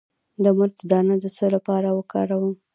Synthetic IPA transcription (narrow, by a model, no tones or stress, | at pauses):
d̪əməɾt̪əd̪ɑnad̪əsəlapɑɾawəkɑ̰ɾawəm